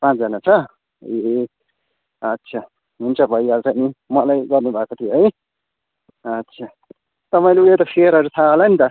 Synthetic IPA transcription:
pãt͡sd͡zʌnat͡sʰʌ | e | ʌt̪ːsʰa | ɦunt͡sʰʌbʱʌjalt͡sʌnimʌlajɡʌrnubʱakot̪ʰijoɦʌj | ʌtːsʰa | t̪ʌpaĩleulet̪ʌpʰeɾɦʌɾut̪ʰaɦolanit̪ʌ

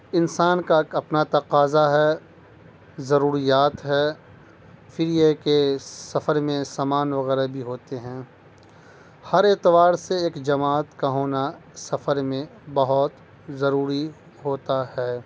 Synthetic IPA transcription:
ɪnsaːnkaɐpnat̪ɐqaːzaɦɛː | zɐɾuːɾijaːt̪ɦɛː | fʰɪɾjekesɐfəɾmẽsaːmaːnʋɐɣɛːɾabʱiɦoːt̪eɦɛ̃ː | hɐɾet̪ɪʋaːɾseːkd͡ʒɐmaːt̪kaɦoːnasɐfəɾmẽbɐɦɔt̪ | zɐɾuːɾi | ɦoːt̪ahɛː

